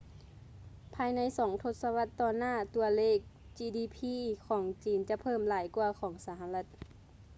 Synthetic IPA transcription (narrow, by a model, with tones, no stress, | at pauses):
pʰaː˧jna˧˥˨jsɔː˩˦ŋt̪ʰo˧˦t̪̚sa˧wa˧˥t̪ːɔː˧˩naː˥˨t̪u˧ɐleː˥˩k̚ | t͡ɕiː˧diː˧˩pʰiː˧˥˨kʰɔː˩˦ŋt͡ɕiː˨˦nt͡ɕa˧˦pʰɤː˧˥˨mlaː˨˦jku˧ɐkʰɔː˩˦ŋsa˧˦ɦa˧la˧t̪̚